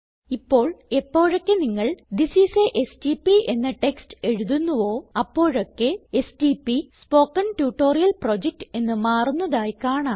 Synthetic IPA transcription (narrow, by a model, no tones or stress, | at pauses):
ipːo̞ːɭe̞pːo̞ːɻokːe̞niŋːɐɭd̪isiseʔesʈipie̞nːɐʈe̞kste̞ɻuðunːuʋo̞ːɐpːo̞ːɻokːeesʈipːispo̞ːkːɐnʈjuːʈːo̞ːrijɐlpro̞d͡ʑek̚ʈe̞nːɨmaːrunːɐðaːjikaːɳa